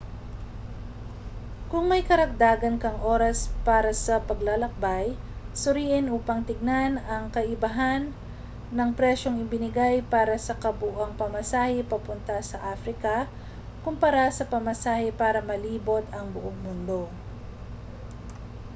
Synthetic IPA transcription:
kʊŋmɐjkɐɾɐk̚d̪aːɡɐnkɐŋʔo̞ːɾɐspaːɾɐsɐpɐɡlalɐk̚baj | sʊɾiːʔɪnʔuːpɐŋt̪ɪɡ̚nanɐŋkɐʔɪbɐɦanː | ɐŋpɾɛʃo̞ŋɪbɪnɪɡajpaːɾɐsɐkɐbuʔɐŋpɐmɐsaːhɛpɐpʊnt̪ɐsɐʔaːfɾɪkɐ | kʊmpɐɾasɐpɐmɐsaːhɛpaːɾɐmɐliːbo̞t̪ɐŋbʊʔoŋmʊnd̪o̞

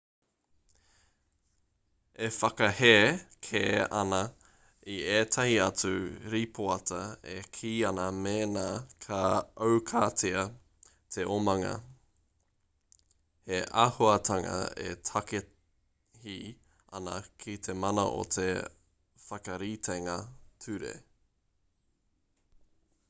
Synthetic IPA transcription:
efɐkɐheːkʰeːɐnɐ | ieːtʰɐhiɐt͡suɾipʰoɐtʰɐḛkʰiːɐnɐmeːnaːkʰaɐwkʰaːtʰiɐ | t̪ʰeʔomɐŋɐ̰ | heʔahoɐt̪ʰɐŋɐ̰ḛtʰɐke | hi | ʔɐnɐ̰kʰit̪ʰemɐnɐ̰ʔo̰t̪ʰe | fɐkɐɾitʰeŋɐtʰʉɾḛ

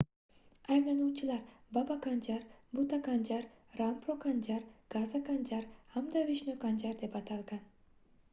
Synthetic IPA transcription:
ɑjblˠɑnuːt͡ʃʰɯlˠɑɾbabakand͡ʒaɾbut̪akand͡ʒaɾ | rampɾokand͡ʒaɾɡ̥azakand͡ʒaɾamd̪aviʃnokand͡ʒaɾd̪e̞pɑt̪ɑlˠɡɑn

